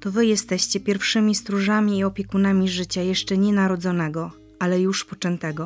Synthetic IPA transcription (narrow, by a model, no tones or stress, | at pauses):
t̪ɔvɘjɛst̪ɛɕt͡ɕɛpʲjɛɾfʂɘmʲist̪ɾuʐamʲiːɔpʲjɛkunamʲiʐɘt͡ɕajɛʂt͡ʂɛɲɛnaɾɔd̪zɔnɛɡɔ | alɛjuʂpɔt͡ʂɛnt̪ɛɡɔ